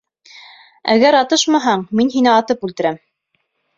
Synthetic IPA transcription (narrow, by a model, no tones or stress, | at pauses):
æ̰ɣæɾɑt̪ɤʃmɑɦɑɴminɦinɘɑt̪ɤpʉlt̪ɘ̆ɾæm